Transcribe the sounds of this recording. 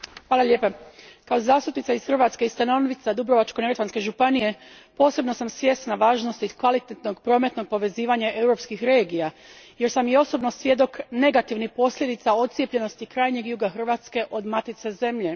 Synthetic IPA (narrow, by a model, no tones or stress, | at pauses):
xʋaːlalʎeːpakao̞zaːst̪upnit̪saisxrʋaːt̪skeist̪anonʋit̪sad̪ubɾo̞ʋat͡ʃko̞neɾet̪anske̞ʒupanije̞ | po̞ːse̞bno̞samsʋje̞st̪naʋaːʒnost̪ikʋalit̪et̪no̞ɡpɾo̞ːme̞t̪no̞ɡ̚po̞ʋe̞ziːʋaɲaʔe̞wɾo̞pskixɾe̞ːɡijaje̞ɾsamjeo̞so̞bno̞sʋje̞d̪o̞kne̞ɡat̪iʋnipo̞slʎʲe̞d̪it̪sao̞t̪sjepʎe̞no̞st̪ikɾaːjɲe̞ɡjuːɡaxr̩ʋaːt̪ske̞ʔo̞d̪mat̪it̪se̞ze̞mʎe̞